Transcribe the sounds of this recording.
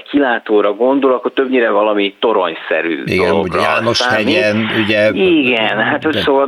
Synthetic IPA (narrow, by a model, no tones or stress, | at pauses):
kʰilaːt̪oːɾɒɡo̞nd̪olɒkːot̪øbɲiːɾɛvɒlɒmit̪o̞ɾoɲsɛ̰ɾy̰ːdiɡ̪ɛloɡrɒaːnoʃaːɛɟinuɟɛiɡɛnɦat̪hocsoːvɒ